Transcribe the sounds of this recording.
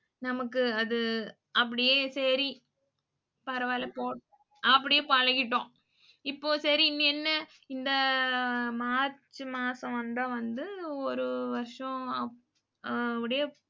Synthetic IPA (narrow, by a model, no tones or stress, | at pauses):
nɐmɐkːɯɐðɯ | ɐp̬ːɐɽɪjeːsɛɾi | pɐɾɐʋaːlɐpoː | ɐpːɐɽɪjeːpaːɻɐŋɡɪʈːõː | ɪpːoːsɐɾiɪnːiɛnːɐ | ɪnd̪ɐ | maːɾt͡ʃːɯmaːsɐ̃ʋɐnd̪ãʋɐnd̪ɯɔɾɯʋɐɾʂɔ̃ɐ | ɐpːɐɽɪje